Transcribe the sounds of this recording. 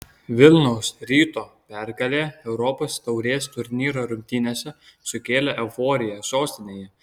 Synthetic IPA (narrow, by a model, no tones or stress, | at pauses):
ʋʲɪlʲˠnɔʊsɾʲiːt̪oːpʲɛɾɡɐlʲeːɛʊɾɔpoːst̪ɐʊɾʲeːst̪ʊɾʲnʲiːɾoːɾʊmʲt̪ʲiːnʲesʲɛsʊkʲeːlʲɛʔɛʊfoːɾʲɪjɛsoːsʲt̪ʲɪnʲeːjɛ